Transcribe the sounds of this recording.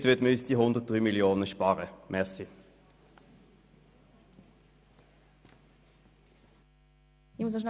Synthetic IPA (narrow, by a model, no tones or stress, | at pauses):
t̪ʋɪt̪mysd̪̥iːɦʊnd̪əʁt̚d̥ʁyːmɪljoːnəʃpɑːʁəmʔɛsɪ | ɪmʊs̬əʃn